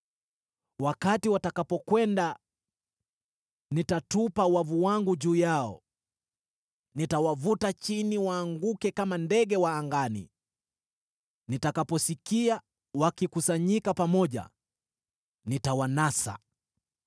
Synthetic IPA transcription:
wakatiwatakapɔkwɛnda | nitatupawavuwaŋɡuʄuːjaɔ̰ | nitawavutat͡ʃiniwaːŋɡukɛkamandɛɠɛwaːŋɡanḭ | nitakapɔsikia | wakikusaɲikapamɔʄa̰ | nitawanasa̰

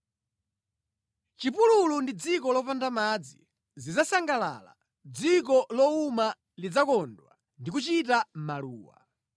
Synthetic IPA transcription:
t͡ʃipululundid͡zikɔlɔpandamad͡zḭ | zizasaŋɡala̰la̰ | d͡zik̬ɔlɔuma | lid͡zakɔndwa̰ | ndik̬ut͡ʃitamaluːwa̰

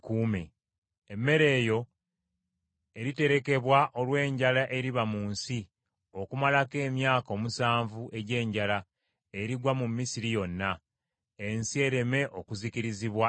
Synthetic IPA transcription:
kuːmḛ | emːe̞ɾe̞ːjo̞ | e̞ɾite̞ɾe̞ke̞βwaʔo̞lwe̞ːɲɟalaʔe̞ɾiβamuːnsi | o̞kumalake̞ːmjaːkao̞ːmusaːɱvuʔe̞ɟe̞ːɲɟala | eɾiɡwamumːisiɾijo̞nːa | e̞nsie̞ɾe̞me̞ʔo̞kuziciɾiziβwa

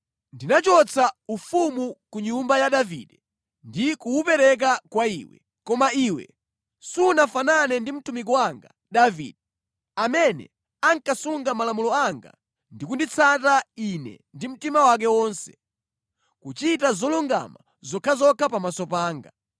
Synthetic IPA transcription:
ndinat͡ʃɔt͡sʰaufumukuɲumbajaɗavḭɗɛ | ndikuupɛɾɛk̬akwaḭːwɛ̰ | kɔmaiːwɛ̰ | sunafananɛndim̩tumik̬ɔwaŋɡa | ɗavḭːɗɛ | amɛnɛ̰ | aŋkasuŋɡamalamulɔaŋɡa̰ | ndikundit͡sʰatainɛ̰ | ndim̩timawak̬ɛwɔːnsɛ̥ | kut͡ʃitazɔluŋɡa̰ma | zɔkʰazɔkʰapamasɔpaːŋɡa

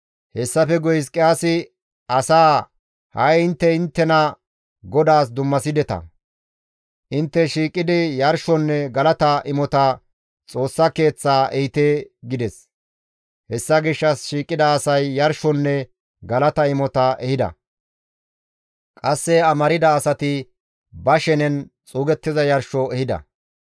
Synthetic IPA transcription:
hɛsːɐfɛɡɔjskʼɪaːsɪ | ɐsaː | hɐjɪnt̪ːɛɪnt̪ːɛnɐ | ɡɔd̪aːsd̪ʊmːɐsɪd̪ɛt̪ɐ̰ | ʔɪnt̪ːɛʃiːkʼːɪd̪ɪjɐɾʃɔnːɛɡɐlɐt̪ɐɪmɔt̪ɐ | t͡sʼo̞ːsːɐke̞ːt͡sːaːʔɛjɪt̪eːɡɪd̪ɛs | hɛsːɐɡɪʃːɐsʃiːkʼːɪd̪ɐːsɐjːɐɾʃɔnːɛ | ɡɐlɐt̪ɐɪmɔt̪ɐɛhɪd̪ɐ̰ | kʼɐsːɛɐmɐɾɪd̪ɐːsɐt̪ɪ | bɐʃɛnɛnt͡sʼuːɡɛt̪ːɪzɐjɐɾʃɔɛhɪd̪ɐ̰

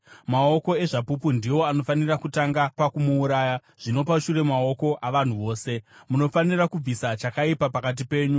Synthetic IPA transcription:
mao̞ko̞e̞ʐapupundiwo̞ano̞fanirakutaŋɡapakumuːɾaːja | ʐ̥ino̞paʃure̞mao̞ko̞ʔaʋan̤uʋo̞ːse̞muno̞fanirakub͡visat͡ʃakaipapakat̬ipe̞ːɲu

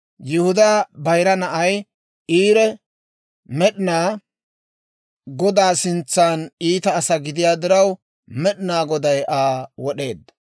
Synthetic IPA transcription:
jɪhʊd̪aːbɐjɾɐnɐʔɐj | iːɾɛ | mɛɗɪnaː | ɡɔd̪aːsɪnt͡sːaniːt̪ɐːsɐɡɪd̪ɪjaːd̪ɪɾɐw | mɛɗɪnaːɡɔd̪ɐjʔaːwɔɗe̞̰ːd̪ːɐ̥

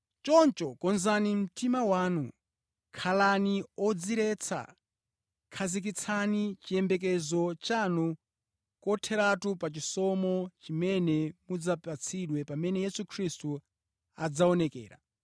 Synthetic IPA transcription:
t͡ʃɔnt͡ʃɔkɔnzanim̩timawaːnu | kʰalaniɔd͡ziɾɛt͡sʰa̰ | kʰazik̬it͡sʰanit͡ʃiɛmbɛk̬ɛzɔt͡ʃanu | kɔtʰɛɾatupat͡ʃisɔmɔt͡ʃimɛnɛmud͡zapat͡sʰiɗwɛpamɛnɛjɛsukʰɾistu | ad͡zaɔnɛkɛ̰ːɾa̰

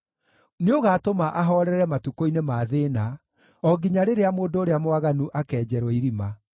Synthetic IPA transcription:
neoɣaːtomaʔaɦɔɾɛɾɛmatukoinemaːðeːna | ɔɡiɲaɾeɾeamoːndoːɾeamowaɣanuʔakɛːd͡ʑɛɾɔiɾima

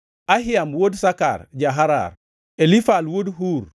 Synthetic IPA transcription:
aɦiamwodsaka̰ɾɟaɦaɾa̰ɾ | elifalwodɦuːɾ

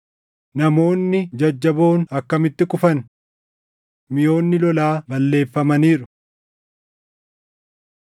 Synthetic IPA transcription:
nɐmo̞ːnːɪd͡ʒɐd͡ʒːɐbo̞ːnɐkːɐmɪt̪ːɪkʼʊfɐn | mɪjo̞ːnːɪlɔlaːbɐlːe̞ːfːɐmɐniːɾʊ

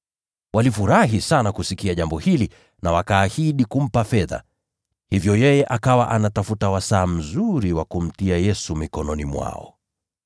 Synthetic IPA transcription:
walifuɾaɦisanakusikiaʄambɔhili | nawakaːhiɗikum̩pafɛða̰ | hivjɔjɛjɛʔakawaʔanatafutawasaːm̩zuɾiwakum̩tiajɛsumikɔnɔnimwa̰ɔ̰

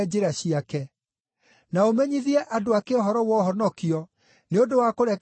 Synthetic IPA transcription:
d͡ʑeɾaɕiakɛ | naomɛɲiðiɛʔadoakeɔɦɔɾɔwɔɦɔnɔkiɔ | neodowakoɾɛk

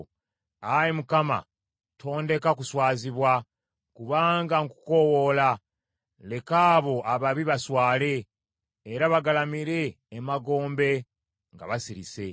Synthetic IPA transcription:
ajimukama̰ | tʰo̞ːnde̞kakuswaːziβwa | kuβaːŋɡaŋku̥ko̞wo̞la | le̞kaːβo̞ʔaβaβiβaswaːle̞ː | ɾaβaɡalamiɾe̞ː | maɡo̞ːmbe̞ | ŋɡa̰βasiɾḭse̞

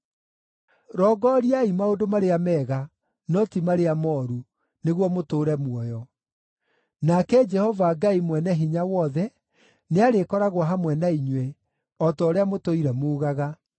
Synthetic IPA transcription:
ɾɔɡɔɾiaimaodomaɾeamɛːɣa | nɔtimaɾeamɔːɾu | neɣwɔmotoːɾɛmwɔjɔ | nakɛd͡ʒɛhɔvaɡaimwɛnɛɦiɲawɔðɛ | neaɾekɔɾaɣwaɦamwɛnaiɲwɛ | ɔtɔːɾeamotoiɾɛmoɣaɣa

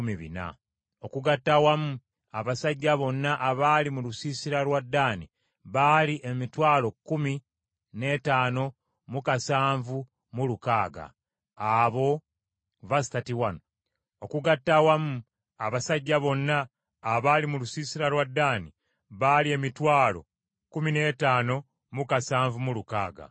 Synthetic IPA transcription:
miβḭna̰ | okuɡatːawamu | aβasaɟːaβo̞nːaʔaβaːlimulusiːsiɾalwadːaːni | βaːliʔe̞mitwaːlo̞kːumi | ne̞ːtaːno̞ | mukasaːɱvu | mulukaːɡa̰ | aβo̞ | vasitatiwano | okuɡatːawamuː | βasaɟːaβo̞nːaː | βaːlimulusiːsiɾalwadːaːni | βalie̞mitwaːlo̞̰ | kumine̞taːno̞ | mukasaːɱvumuluka̰ːɡa̰

